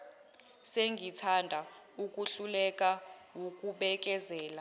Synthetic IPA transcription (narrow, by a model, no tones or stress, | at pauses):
seŋɡʱitʰandʱa | uk̬ʼuɬulɛkʼawokʼuɓɛk̬ʼɛzɛːla